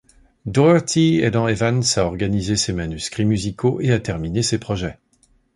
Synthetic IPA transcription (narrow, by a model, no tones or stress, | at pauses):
d̪ɔat̪ied̪ɑ̃evansaɔʁɡanizesemanyskχimyzikʰoʔeat̪ɛʁminesepχɔʒɛ